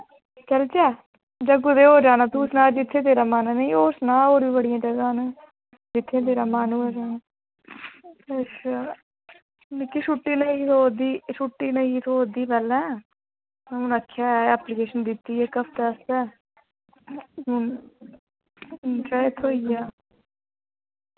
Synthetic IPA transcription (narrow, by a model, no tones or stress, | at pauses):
t͡ʃəlt͡ʃɛː | d͡ʒəɡʊd̪eːɦoːd͡ʒaːnãːt̪uːsnaːd͡ʒɪt̪ʰːeːt̪eːɾaːmaːnːnəĩːoːsnãːoːɾʋiːbəɽɪjãːd͡ʒəɡãːnː | d͡ʒɪt̪ʰːẽːt̪̬eːɾaːmaːnũːoːd͡ʒaːnː | es | nɪkːiʃuːʈːiːnət̪ʰoːd̪iːʃuːʈːiːnəĩt̪ʰoːod̪iːpɛːlɛ̃ː | mːʊːnəkʰːjaːɛɛːplɪkeːʃənd̪ɪt̪ːiːɛːkəpʰt̪ɛːst̪ɛː | un | d͡ʒaːt̪ʰoːiːaː